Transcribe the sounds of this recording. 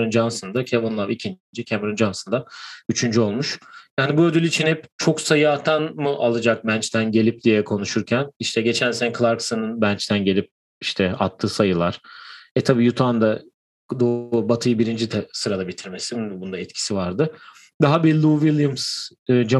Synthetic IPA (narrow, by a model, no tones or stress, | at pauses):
ɾund͡ʒansɯnd̪acʰevunlˠavicʰin | d͡ʒicʰɛmeɾund͡ʒansɯnd̪ayt͡ʃʰynd͡ʒyo̞lˠmuʃjaːnibuø̞d̪ylʲit͡ʃʰinipt͡ʃʰo̞ksajaːt̪ʰanmuʔalˠɯd͡ʒak̚mænt͡ʃt̪ʰænɟe̞lʲip̚d̪ijɛkʰo̞nuʃuɾcʰæniʃt̪ʰɛɟe̞t͡ʃʰænsenɛkʰlˠaɾksɯnɯnbænt͡ʃt̪ʰænɟe̞lʲip̚ | iʃt̪ʰɛa̰t̪ʰːɯːsajɯlˠaɾ̥ɛt̪ʰabiːjut̪ʰand̪a | d̪obat̪ʰɯjɯbiɾind͡ʒit̪ʰɛsɯɾad̪abit̪ʰiɾme̞sibund̪aɛt̪cʰi̥sivaɾd̪ɯ | d̪aɦabilʲuvilˠjums | ɯːd͡ʒa